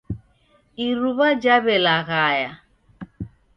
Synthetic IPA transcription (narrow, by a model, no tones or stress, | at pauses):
iɾuβad͡ʒaβɛlaɣaja